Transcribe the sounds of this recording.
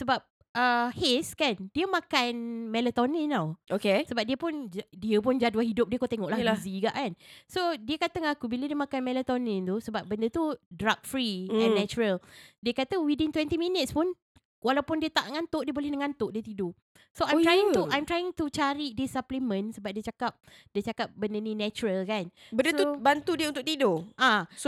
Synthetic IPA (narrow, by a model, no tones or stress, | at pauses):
səbap̚ | ʔəheskandiəmãkanmɛlət̪ɔninãwokesəbap̚diəpʊndiəpʊnd͡ʒadwahɦidʊp̚diəkot̪eŋɔʔlahziɡa̰ʔkansodiəkat̪əŋakubilədiəmãkanmɛlət̪ɔnint̪usəbap̚bəndət̪udɾak̚fɾiɛ̃nːɛt͡ʃuɾəldiəkat̪əwidint̪wɛnt̪iminət̪̚spʊn | walawpʊndiət̪aʔnəŋant̪ʊʔdiəbolɛhnəŋant̪ʊʔdiət̪ido | soajmɾajĩŋt̪uʔajmt̪ɾajɪŋt̪ut͡ʃaɾidisaplimə̃nsəbap̚diət͡ʃakap̚ | diət͡ʃakap̚bəndənĩnɛt͡ʃuɾəlkan | bəndəsubant̪udiəunt̪ʊk̚t̪idoʔas